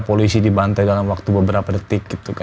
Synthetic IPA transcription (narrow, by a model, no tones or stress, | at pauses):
polisidibant̪ajdalamwak̚t̪ubəbəɾapadət̪ɪk̚ɡ̥it̪uka